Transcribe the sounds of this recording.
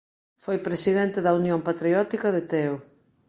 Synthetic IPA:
fojpɾesiðɛnt̪eðɐunjompat̪ɾiɔt̪ikɐðet̪ɛo

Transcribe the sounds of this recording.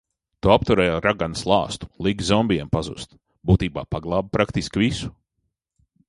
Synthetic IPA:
t̪uapt̪uɾɛjaɾaɡanslˠɑːst̪u̥lˠiɡzɔmbiɛmpazṵst̪ | buːt̪iːba̰ːpaɡlˠɑːb̚pɾakt̪iskvisu̥

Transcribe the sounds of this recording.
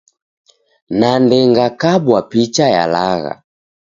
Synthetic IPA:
nandɛŋɡakabwapit͡ʃaja̰laɣa̰

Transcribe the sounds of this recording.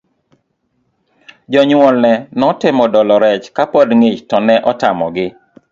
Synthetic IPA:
d͡ʒɔɲwɔlnɛnɔtɪmɔdɔlɔɾɛt͡ʃkapɔdŋet͡ʃtɔnɛʔɔtamɔ̰ɡɪ

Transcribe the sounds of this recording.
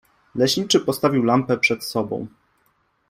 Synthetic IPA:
lɛɕɲit͡ʂɘpɔst̪avʲiwlampɛpʂɛt̪sɔbɔ̰̃w̃

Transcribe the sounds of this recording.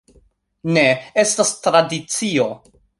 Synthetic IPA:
ne̞e̞stastɾadit͡sio̞

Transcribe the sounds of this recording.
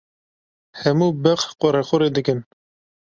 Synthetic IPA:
hɛmuːbɛqqɔɾɛxʊɾeːd̪ɨkɨn

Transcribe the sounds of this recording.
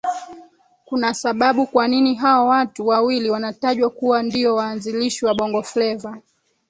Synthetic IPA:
kunasaɓaɓukwaniniɦawawatuwawiliwanataʄwakuwandiɔwaːnziliʃiwaɓɔŋɡɔflɛva

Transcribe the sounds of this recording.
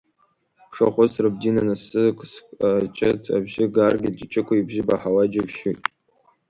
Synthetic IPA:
pʰʂa̰χʷʊsrɨb̚dinanasɨkʰʼst͡ʃʼɪtʰa̰bʒɪɡarɡʲɪd͡ʒɪt͡ʃʰʼɪkʷʰaibʒɪba̰ħawad͡ʒɪvʃutʼ

